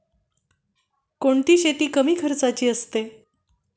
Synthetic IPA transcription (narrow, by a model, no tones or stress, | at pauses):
koɳt̪iːɕet̪iːkəmiːkʰəɾt͡sat͡ɕiːəst̪e